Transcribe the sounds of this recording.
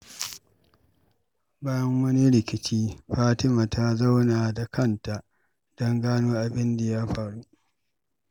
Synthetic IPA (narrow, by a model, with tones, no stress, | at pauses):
baː˦jɐ˦ŋwɐ˦ni˦ɽɪ˨kʲɪ˨t͡ʃiː˦ɸaː˦tɪ˦maː˨tʰa˦za˦wnaː˨da˨kʰɐ˦˨nta˨ʔ | dɔ˦ŋɡaː˦noː˦ʔa˨bɪ˦nda˨ja˦ɸa˨ɽu˦ʔ